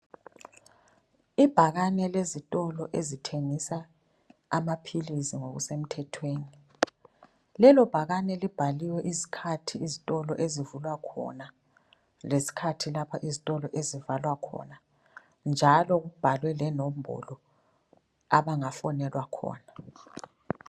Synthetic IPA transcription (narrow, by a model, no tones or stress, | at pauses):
ib̥ʱaɣanɛlezitʼɔlɔʔezitʰeŋisa | amapʰilisiŋoɣṵsem̩tʰɛtʰweːni | lɛlɔb̥ʱaɣanɛlib̥ʱaliwɛʔizi̥kʰatʰiːzitʼɔlɔ̰ʔezivulwakʰɔ̰na | lesi̥kʰatʰilapʰaʔizitʼɔlɔʔezivalwakʰɔ̰na | nd͡ʒʱalɔɣub̥ʱalwɛlɛnɔm̩bʱɔ̰lɔ | aβaŋafɔnɛlwakʰɔ̰ːna